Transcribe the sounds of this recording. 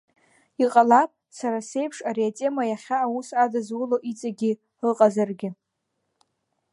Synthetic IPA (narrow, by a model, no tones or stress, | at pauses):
iqʼalapʼ | saɾase̞jpʰʂaɾiatʼe̞majaχʲaːwusadazwʊloʔit͡sʼaɡʲɪ | rɨqʼazarɡʲɪ